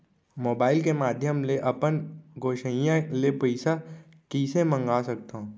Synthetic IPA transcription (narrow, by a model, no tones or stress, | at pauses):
moːbaːɪlkemaːd̪ʱjəmleʔɐpənɡʱoːʃəijãlepəɪsa | kiːsemə̃ŋɡaːsɐk̚t̪aɦõ